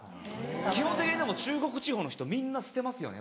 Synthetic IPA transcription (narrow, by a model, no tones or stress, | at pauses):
kʲihõ̞nt̪ekʲiɲʲid̪emo̞t͡ɕɨːɡo̞kɯ̟t͡ɕiho̞ːnçʲi̥t̪o̞mʲĩnːasɨ̥t̪e̞masɨjone